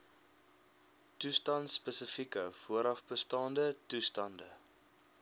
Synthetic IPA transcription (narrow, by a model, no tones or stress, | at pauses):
tustɐntsːpəsəfikəfuəɾɐfbəstɑːndətustɐndə